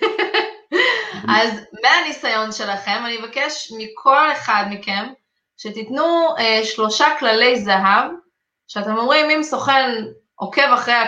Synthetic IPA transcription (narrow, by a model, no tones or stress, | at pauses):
ʔazmeanisajo̞nʃe̞laχe̞manievakeʃmikʰo̞le̞χad̪mike̞m | ʃet̪it̪nueʃlo̞ʃaklale̞jzaɦav | ʃeat̪e̞mo̞mʁimimso̞χe̞n | o̞ke̞vaχʁeja